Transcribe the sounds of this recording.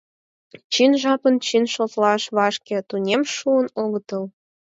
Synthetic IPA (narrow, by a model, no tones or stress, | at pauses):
t͡ɕinʒɑpənt͡ɕinʃozlɑʃβɑʃkĕt̪unʲemʃuənoɣət̪əl